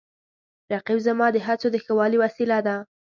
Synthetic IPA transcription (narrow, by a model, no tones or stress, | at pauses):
ɾaqibzamɑd̪əɦat͡sod̪əxəwɑliwasilad̪a